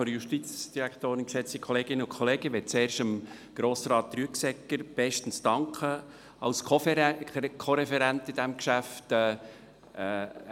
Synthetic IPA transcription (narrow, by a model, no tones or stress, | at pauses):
ɔɾjuʃtit͡sd̥iɾækt̪oːɾɪnkʃɛt͡sikχɔleːɡ̥ɪnːəʊkʰχɔleːɡ̥əʋɛtt͡seːɾʃəm | ɡ̥ɾoːsɾɑːt̚ːryəksɛkːəɾb̥ɛʃtən̩stɑŋkʰχə | ɑlskʰɔ | kʰoɾɛfɛɾænt̪ɪd̥̪æmkʃæftɛː